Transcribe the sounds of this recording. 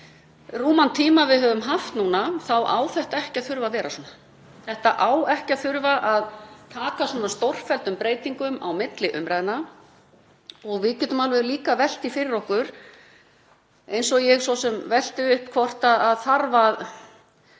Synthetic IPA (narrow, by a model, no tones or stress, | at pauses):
ruːmant̪ʰiːmavɪðɦœːvʏmɦaft̪nuːnaθawʔa̰wθɛht̪aɛhcɪaθʏɾvavɛːɾasɔːna | θɛht̪a̰ʔaːwɛhcaθʏɾvaʔaðt̪ʰaːkasɔːnast̪ɔwr̥fɛlt̪ʏmpɾeːjt̪iŋkʏma̰wmɪt̪lɪʔʏmɾajðɪna | ɔɣvɪðcɛːt̪ʏmalvɛðliːkavɛl̥t̪ifɪɾɪɾɔhkʏɾ̥ | ejnsɔjɛɣsɔsɛmvɛl̥t̪ɪʏhpkʰvɔr̥t̪aðaðθaɾvað